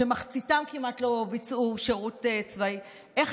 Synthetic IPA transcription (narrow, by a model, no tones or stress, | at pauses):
emaχt͡sitamkimatlo̞bit͡sʔuʃeʁutet͡svai | ʔeχ